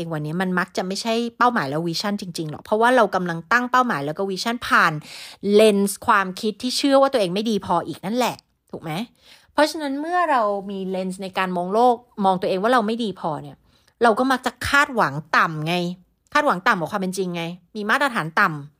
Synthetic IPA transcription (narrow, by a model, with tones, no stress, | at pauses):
ŋwa˧nːi˦˥ɐma˧nma˦˥k̚t͡ɕa˨˩ma˥˩jt͡ɕʰa˥˩jpa˥˩wmaː˩˦jlɛː˦˥wiː˧˥t͡ɕʰa˥˩nt͡ɕi˧ŋt͡ɕi˧ŋlɔ̰˨˩k̚pʰɾɔ˦˥waː˥˩ɾa˧wka˧mla˧ŋt̪a˥˩ŋpa˥˩wmaː˩˦jlɛː˦˥kɔ˥˩wiː˧˥t͡ɕʰa˥˩npʰaː˨˩nle˧nskʰwaː˧mkʰi˦˥t̪ʰːiː˥˩t͡ɕʰɯ˥˩waː˥˩˧əʔːŋma˥˩jdiː˧pʰɔː˧ʔiː˨˩k̚na˥˩nlɛ˨˩ʔ | t̪ʰuː˨˩k̚ma˦˥j | pʰɾɔ˦˥t͡ɕʰa˧na˦˥nmɯ˥˩ɐɾa˧wmiː˧le˧ns̬na˧jkaː˧nmɔː˧ŋloː˥˩k̚mɔː˧ŋt̪u˧əʔeː˧ŋwaː˥˩ɾa˧wma˥˩jdiː˧pʰɔː˧ni˦˥˩ɐ | ɾa˧wkɔː˥˩ma˦˥k̚t͡ɕa˨˩kʰaː˥˩t̪̚wa˩˦ŋt̪a˨˩mŋa˧j | kʰaː˥˩wa˩˦ŋt̪a˨˩mwaː˨˩˦kʰwaː˧pe˧nt͡ɕi˧ŋːa˧jmiː˧maː˥˩t̪̚ɾa˧t̪ʰaː˩˦nt̪a˨˩m